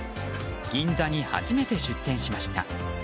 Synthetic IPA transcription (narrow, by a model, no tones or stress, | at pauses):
ɡ̥ʲĩnd͡zaɲ̟iha̰ʑime̞t̪e̞ɕɨt̪ːẽ̞ɰ̃ɕimaɕi̥t̪a̰